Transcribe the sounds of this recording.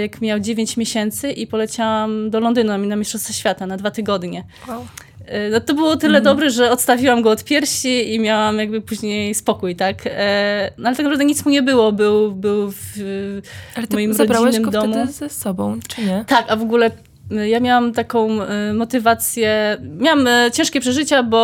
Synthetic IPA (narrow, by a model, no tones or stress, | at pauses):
jakmʲjawd͡ʑevʲjeɲt͡ɕmʲjeɕɛnt̪sɘʔipɔlɛt͡ɕawwamd̪ɔlɔnd̪ɘnunamʲinamʲisʂt͡ʂɔ̃st̪sɛɕfʲjat̪anad̪vat̪ɘɡɔd̪ɲɛ | nɔt̪ɔbɘwɔt̪ɘlɛd̪ɔbɾɛʐɛɔt̪st̪avʲiwamɡɔɔt̪pʲjɛɾɕiimʲjawamjaɡ̚bɘpuʑɲejspɔkujt̪ak | nɔalɛt̪ak̪apɾavd̪ɛɲit̪smuɲɛbɘwɔbɘwbɘwv | mɔjimɾɔd͡ʑbɾainːɘmd̪ɔmuzɛsɔbɔ̃w̃t͡ʂɨɲɛt̪akavɔɡulɛ | jamʲjawamt̪akɔ̃w̃mɔt̪ɘvat̪sʲjɛmʲjawamt͡ɕɛ̃w̃ʂkʲɛpʂɛʐɘt͡ɕabɔ